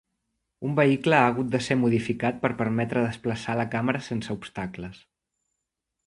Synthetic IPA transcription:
umbəikləaːɣ̞ut̪̚d̪əsemuðifikat̪̚pəɾpəɾmɛt̪ɾəðəspləsaləkaməɾəsensəupst̪akləs

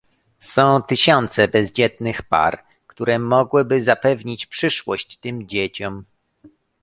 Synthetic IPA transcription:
sɔ̃w̃t̪ɘɕɔnt̪sɛbɛzd͡ʑɛt̪̚nɘxpa̰ɾ | kt̪uɾɛmɔɡwɘbɘzapɛvɲit͡ɕpʂɘʂwɔɕt͡ɕt̪ɘmd͡ʑet͡ɕɔm

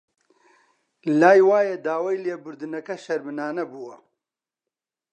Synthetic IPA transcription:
laːjwaːjɐd̪aːwajleːbʊɾd̪ɨnɐkɐʃɐɾmɨnaːnɐbuːwɐ

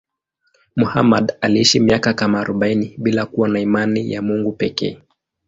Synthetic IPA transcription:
muhamaɗaliiʃimiakakamaːɾuɓainiɓilakuwanaimanija̰muŋɡupɛkɛ̰ː

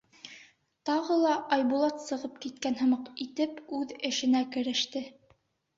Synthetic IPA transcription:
t̪ɑʁɤlˠɑʔɑjbulˠɑt̪sɤ̆ʁɤp̚kit̪̚kænɦɤ̆mɑqit̪ɘpʉðɘ̆ʃɘ̆nækɘ̆ɾɘ̆ʃt̪ɘ

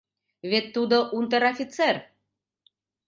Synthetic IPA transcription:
βet̪ːud̪oʔunt̪əɾafʲit̪t͡sɛr

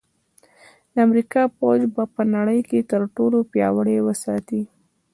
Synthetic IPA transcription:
d̪̥əamɾikɑpod͡ʒbɑpənaɽəjket̪əɾʈolopjɑ̰wəɽewəsɑt̪i

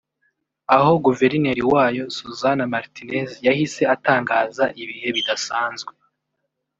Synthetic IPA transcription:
aɦo̞ɡuve̞ɾine̞ɾiwaːjo̞suzanamaɾtinezjahise̞ataːŋɡaːzaʔiβihe̞βidasaːnzɡwe

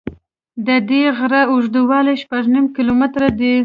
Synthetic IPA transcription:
d̪əd̪eɣɾaʊʐd̪uwɑleʃpaʐnimkilomɪt̪ɾad̪ə

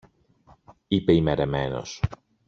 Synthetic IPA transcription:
ipeimeɾe̞me̞no̰s

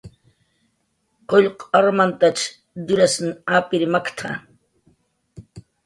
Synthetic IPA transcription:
qoʎqaɾmant̪at͡ʃ | d̪ʊɾasnapɪɾmakt̪ʰa̰

